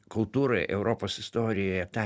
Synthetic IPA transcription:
kʊlˠt̪uːɾɐɪʔɛ̰ʊɾoːpoːsɪst̪oːɾʲɪjoːjɛt̪ɑ

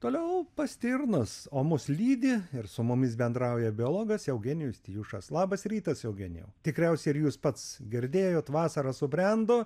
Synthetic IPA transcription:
t̪oːlʲɛʊpɐsʲt̪ʲɪrnɐsoːmʊslʲiːd̪ʲɪɪrsʊmʊmʲɪsbʲɛnd̪ɾɐʊjɛbʲɪoːlˠoːɡɐsjɛʊɡʲɛnʲɪjʊst̪ʲɪjuːʃɐslˠɑːbɐsɾʲiːt̪ɐsjɛʊɡʲɛnʲjɛ̰ʊt̪ʲɪkɾʲɛʊsʲɛɪɾjuːspɐt̪sɡʲɪɾʲd̪ʲeːjoːt̪ʋɑːsɐɾɐsʊbʲɾʲɛnd̪oː

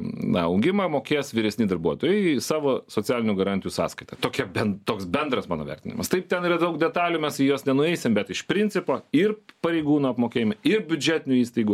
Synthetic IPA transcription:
nɐ̰ɐʊɡʲɪmɐmoːkʲeːsʋʲɪɾʲɛsʲnʲɪd̪ɐɾbuɔt̪oːjɛɪsɑːʋoːsoːt͡sʲɪæːlʲɪnʲuɡɐɾɑnʲt̪ʲɪjuːsɑ̰ːskɐɪt̪ɐt̪oːkʲɛbʲɛnt̪oːksbʲɛnd̪ɾɐsmɑːno̰ːʋʲɛ̰ɾʲt̪ʲɪnʲɪ̰mɐ̰st̪ɐɪp̚t̪ʲɛniːɾɐd̪ɐʊkd̪ʲɛt̪ɑːlʲumʲɛsijoːsnʲɛnʊɛɪsʲɪmbʲɛt̪ɪʃpʲɾʲɪnʲt͡sʲsʲɪpoːɪrpɐɾʲɛɪɡuːnoːɐpmoːkʲeːjɪmɐɪrbʲʊd͡ʒʲæːt̪ʲɪnʲʊiːst̪ɐɪɡu

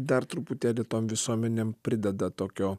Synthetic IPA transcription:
d̪ɐɾt̪ɾʊpʊt̪ʲeːlʲɪt̪oːmʋʲɪsuɔmʲɛnʲempʲɾʲɪd̪ʲɛd̪ɐt̪oːkʲoː

